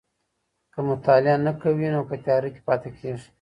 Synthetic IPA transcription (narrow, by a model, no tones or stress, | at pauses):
kəmʊt̪ɑlɪanakawinokat̪ɑɾike̥pɑt̪ekʰeʐi̥